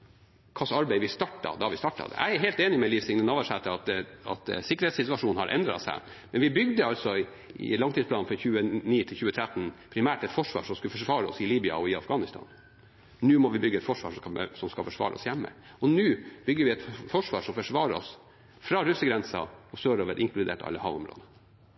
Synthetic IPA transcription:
kʰɑsɑɾbæɪʋɪst̪ɑʈːɑ̰d̪ɑɑʋɪst̪ɑʈːɑ̰d̪ɛ̰ʔæ̰ɪæɦeːlt̪eːnɪmɛlifsɪŋnənɔːʋəʂɛt̪ʰːəɑt̪ɑ̰t̪sɪkəɾheːt̪sɪt̪ʉɑʂuːnhɑ̰ɾʔɛ̰nd̪ɾɑ̰sæ̰ɪ | mɛnʋɪbʏɡd̪əɑlt̪sɔ | ɪ̰lɑŋt̪ʰiːspʰlɑːn̩fɾɑçʉːəniːt̪ʰɪlçʉːət̪ʰɾæt̪ːn̩pʰɾɪmæːʈɛt̪fɔʂʋɑ̰ːʂɔmskʉlfɔʂʋɑːɾəɔ̰sɪliːbɪɑ̰ɔɪɑfɡɑːnɪst̪ʰɑ̰ːn | nʉːmɔʋɪbʏɡːəɛt̪fɔʂʋɑ̰ːʂɔsɔmskɑfɔʂʋɑ̰ːɾə̰ɔ̰sjæmːə̰ɔnʉːb̥ʏɡːəɾʋɪɛt̪fɔʂʋɑ̰ːʂɔmfɔʂʋɑːɾəɔ̰s | fɾɑɾʉsəɡɾɛnsɑ̰ɔsøːɾoːʋəɾʔɪŋklʉd̪ḛːʈɑ̰lːəhɑ̰ːʋʊ̰mɾo̰ːd̪ə

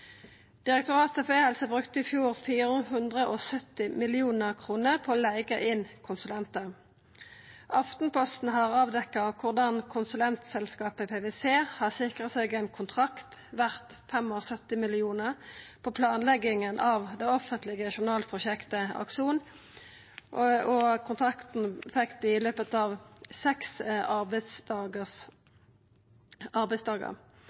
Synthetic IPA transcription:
d̪̥ɪʁɛk̚t̪ʊʁɑːt̪ʰɛfehɛlsəbʁʉkt̪əɪfjuːʁfiːʁəɦʉnd̪ʁəʔoːsœt̪ːɪmɪlɪuːnəʁkʰʁuːnəpʰoːlæɪɡəʔɪnkʰʊnsʉlɛnt̪ə | ʔɑft̪n̩pʰɔst̪n̩ɦɑːʁɑːʋd̪ɛkːɑkʰʊʁd̪ɑnkʰʊnsʉlɛnt̪sɛlskɑːpəpʰeːʋeːseːhɑːsɪkʁət̪seːɡɛnkʰʊnt̪ʰʁɑkt̪ʋæʁt̪ | fɛmoːʁsœt̪ɪmɪlɪuːnəʁpʰɔpʰlɑːnlɛɡɪŋənʔɑʋd̪ɛɔfənt̪lɪɡəʃʊʁnɑːlpʰʁʊʃɛkt̪əɑ̰kʂuːn | ɔkʰʊnt̪ʰʁɑkt̪n̩fɛkt̪ɪløːpət̪ɑːʋsɛksɑb̪sd̪ɑːɡəs | ʔɑʁbɛɪsd̪ɑːɡə̰ʁ

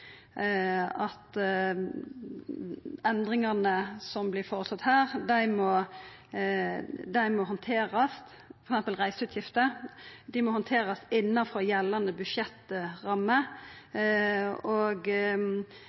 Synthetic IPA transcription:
ɑt̪ | ɛnd̪ʁɪŋɑnəsɔmblɪɾfɔːʁət̪sɑt̪hæːʁd̪æɪmɔ | d̪æɪmɔɦɔnt̪ʰeːɾɑs | fɔɾɛksɛmpəlʁæɪsəʉːt̪ʰjɪft̪əd̪ɪmɔhɔnt̪ʰeːɾɑsɪnːɑfɔjɛlːɑnəbʉʃjɛt̪ʁɑmːə | ɔɡ

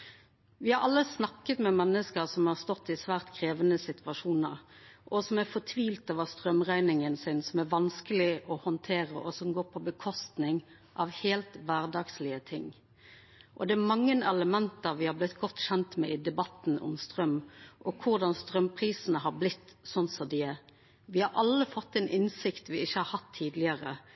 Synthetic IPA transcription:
ʋɪhɑɾɑlːəsnɑkːət̪mɛmɛnːəskəʁsɔmhɑʁst̪ɔt̪ːɪsʋæːʁt̪kʰɾeːʋənəsɪt̪ʋɑʂuːnəɾʔɔsɔmæfɔt̪ʰʋiːlt̪oːʋəʁst̪ʁœmʁæɪnɪŋənsɪnsɔmæʋɑnskəlɪʔɔhɔnt̪ʰeːʁə̰ʔɔsɔmɡoːʁpʰɔbəkʰɔst̪nɪŋ | ʔɑʋheːlt̪ʋæːʁd̪ɑːɡslɪət̪ʰɪŋ | ʔɔd̪ɛæmɑŋːənɛləmɛnt̪əɾʋɪhɑblɪt̪ɡɔt̪ːçɛnt̪mɛ̰ɪd̪ɛbɑt̪ːnʊ̰mst̪ɾœmʔɔkʰʊʁd̪ɑnst̪ɾœmpʰɾiːsənəɦɑɾblɪt̪ːsɔnsɔd̪ɪɛ | ʋɪhɑɾʔɑlːəfɔt̪ːɛnʔɪnsɪkt̪ʋɪɪçːəhɑɾhɑt̪ʰːiːd̪lɪəɾə

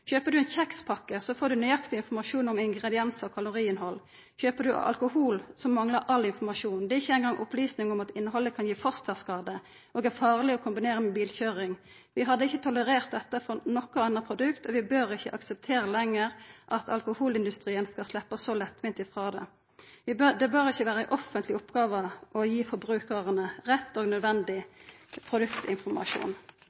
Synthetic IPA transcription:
çøːpəd̪ʉɛnçɛkspʰɑkːəsɔfoːd̪ʉnyɑkt̪ɪɪnfɔmɑʃuːnɔmɪŋɡʁɛd̪ɪɛnsəɔkʰɑlʊʁiːɪnɦhɔl | çøːpəd̪ʉɑ̰lkʊhuːlsɔmːɑŋləɾʔɑlːɪnfɔʁmɑʂuːnd̪ɛɪçːəɛɪnɡɑŋʔʊ̰plyːsnɪŋɔmɑt̪ɪnːəɦɔlːəkʰɑnjiːfɑst̪ʰɛskɑːd̪ə | ʔoːɡæʁfɑːʁlɪɔkʰʊmbɪneːʁəmʊbiːlçøːʁɪŋ | ʋɪɦɑd̪ːəɪçːət̪ʰʊləʁeːʁt̪̚d̪ɛt̪ːəfɔnɔkːəɑnʁəpʰʁʊd̪ʉkt̪ɔʋɪbøːʁɪçːəʔɑksəp̚t̪ʰeːɾəlɛŋːəʁʔɑt̪ʰɑ̰lkʊhuːlɪnd̪ʉst̪ʁiːənskɑslɛpːəsɔlɛt̪ːʋɪnt̪ɪfʁɑːd̪ɛ̰ | ʋɪd̪ɛbøːʁɪçːəʋæːɾəəʔɔfənt̪lɪʊpɡɑːʋəʔɔjiːfɔɾbʁʉːkəʁənəʁɛt̪ːoːɡnœd̪ʋɛnd̪ɪpʰʁʊd̪ʉkt̪ɪnfɔmɑ̰ʃṵːn

